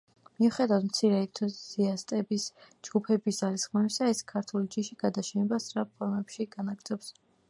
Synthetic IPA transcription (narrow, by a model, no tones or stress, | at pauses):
miuχɛd̪avad̪m̩t̪sʰiɾɛɛt̪ʰɔziast̪ʼɛbisd͡ʒɡ̥upʰɛbisd̪z̥alisχmaisaɛskʰaɾt̪ʰulid͡ʒiʃiɡ̥ad̪aʃɛnɛbasɾapʰɔɾmɛpʃiɡanaɡd̪zɔps